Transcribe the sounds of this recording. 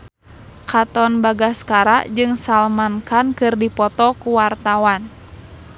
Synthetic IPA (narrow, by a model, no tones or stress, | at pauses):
kat̪ɔnbaɡaskaɾa̰d͡ʒɨŋsalmankankɨrdipɔt̪ɔkuwart̪awan